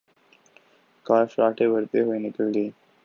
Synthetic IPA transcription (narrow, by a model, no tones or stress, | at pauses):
kaːɾfɾaːʈebɐɾt̪eɦʊenɪkəlɡ̪eː